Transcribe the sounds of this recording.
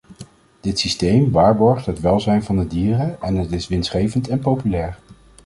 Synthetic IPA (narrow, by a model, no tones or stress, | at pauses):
d̥ɪtsistejmʋaːɹbɔɹχtɦətʋɛlˠzɛjnvɑndədiːrəɛnətɪsʋɪnsχejvəntɛnpowpylɛːɹ